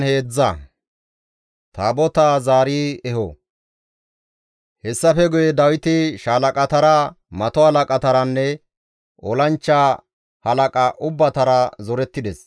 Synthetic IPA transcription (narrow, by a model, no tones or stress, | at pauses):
he̞ːd͡zːɐ | t̪aːbɔt̪aːzaːɾiɛhɔ | hɛsːɐfɛɡʊjɛd̪ɐwɪt̪ɪʃaːlɐkʼɐt̪ɐɾɐ | mɐt̪ɔhɐlɐkʼɐt̪ɐɾɐnːɛ | ɔlɐnt͡ʃːa | hɐlɐkʼɐʔʊbːɐt̪ɐɾɐzɔɾɛt̪ːɪd̪ɛs